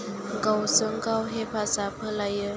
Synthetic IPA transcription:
ɡawsɯŋkawɦepʰaːsaːpʰəlajə

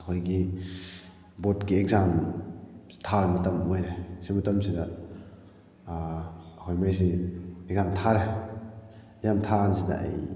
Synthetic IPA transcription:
ɐkʰojɡi | botkieɡzam | tʰamɐtɐmojɾesimɐtɐmsidɐ | ɐkʰojmajs̬ieɡzamtʰaɾe | jamtʰans̬idɐ̰ʔa̰j

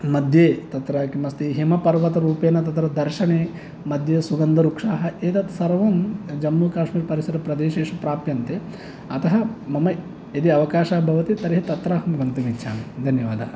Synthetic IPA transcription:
mɐd̪ʱjeːt̪ɐt̪ɾakimɐst̪iɦemɐpɐɾʋɐt̪ɐɾuːpeːnɐt̪ɐt̪ɾɐd̪ɐɾʃɐɳeː | mɐd̪ʱjeːsuɡɐnd̪ɐɾukʂaːɦɐʔeːt̪ɐt̪sɐɾʋɐnd͡ʒɐmnuːkaːʂmiːɾpɐɾisɐɾɐpɾɐd̪eːʃeːʂɐpɾaːpjɐnt̪e | ɐt̪ɐɦɐ̆mɐmɐ | ed̪iɐʋɐkaːʃaːbʱɐʋɐt̪it̪ɐɾiɦit̪ɐt̪ɾaːɦɐmɡɐnt̪ɐmitːʃʰaːnd̪ʱɐnjɐʋaːd̪ʱɐ̰ɐ

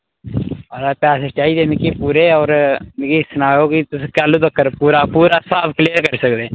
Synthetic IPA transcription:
ɔːɾapɛːset͡ʃaːid̪eːmɪkipuːɾeɔːɾnɪkisənaːjõkit̪ʊskaːlud̪əkːəɾpuːɾapuːɾasaːpʰkliːəɾkəɾsəkd̪eː

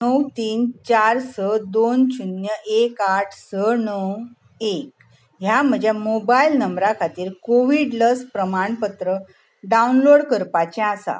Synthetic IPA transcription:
nəwt̪iːnt͡ɕaɾsəd̪ont͡ɕunjəʔekaʈʰsənəw | ek̚ | ɦjam̤əd͡ʑjamobailnəmbɾakʰat̪iːɾkoʋiɽləspɾəmaɳpət̪ɾə | ɖaunloɽkəɾpat͡ɕɛ̃asa̰

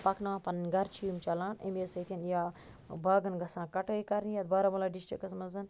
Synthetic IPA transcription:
pɐkʰnɐʋãːpɐnɐnʲɡɐɾt͡ʃʰijumt͡ʃɐlaːnḛmesɐt̪ʰʲinja | baːɡɐnɡɐsãːkɐʈəikɐɾnijad̪̚bɐɾamulaːɖisʈikɐsmɐzɐn

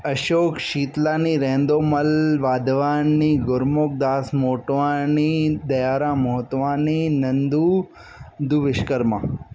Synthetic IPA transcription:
əʃoːkʃiːt̪lãːniɾẽːnd̪oːməlʋaːd̪ʋaːnːiɡʊɾmoːk̚d̪aːsmoːʈʋanid̪ɐjaːɾãmɐɦt̪ʋaːninɐnd̪uː | d̪uʋɪʃkəɾmã̰ː

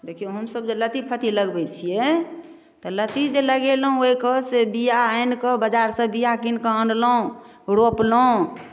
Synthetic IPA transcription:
d̪ekʰijɦəmsəb̚d͡ʒelət̪ipʰət̪ʰiləɡbɛt͡ʃʰijɛ | t̪ɔlət̪id͡ʒeləɡelɦũoikəsebijaajnkəbəd͡ʒaɾsə̃bijakinkəə̃nɖlõ | ɾoplo

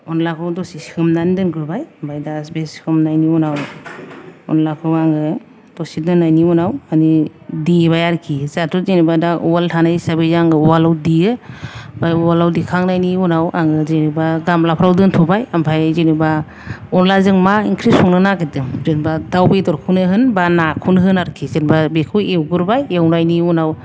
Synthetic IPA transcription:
ɔnlakʰɯwdɔsiskʰɯmnanidɯnkʰɯɾbajambʰajdasbeskʰɯmnajniunaw | ɔ̰nlakʰɯaŋɡɯ | d̥ɔsidɯnːajniunawani | diibajaɾkʰizatuzinibadaʔuwaltʰanajsabɯzaŋɯwalawdijɯbajwalawdikʰaŋnajniunawʔaŋɯzenibaɡamlapʰɾawdɯntʰɔbajampʰajzeniba | ɔnlazɯŋmaḭŋkʰɾisɔŋnɯnaketɯzɯnbadawbedɔɾkʰunɯɦɯnbanakʰunɦɯnaɾkʰizenbabekʰɯewɡɯɾbajewnajniunaw

